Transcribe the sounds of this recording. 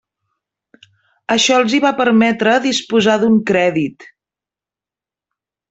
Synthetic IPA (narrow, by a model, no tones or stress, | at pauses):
əʃɔəlˠziβapəɾmɛt̪ɾəðispuzaðuŋkɾɛðit̪